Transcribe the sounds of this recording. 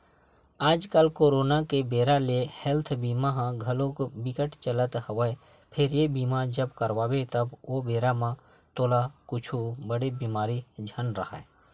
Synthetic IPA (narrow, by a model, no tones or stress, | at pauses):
aːd͡ʒkəlkoːɾoːnakebeːɾalehɛlt̪ʰbiːmaɦãɡʱɐlokbɪkəʈt͡ʃələt̪həʋəe | pʰɪɾjebiːmad͡ʒəbkəɾʋaːwet̪əboːbeːɾamã | t̪oːlakʊt͡ʃʰubəɽebiːmaːɾid͡ʒʱənɾəɦa̰e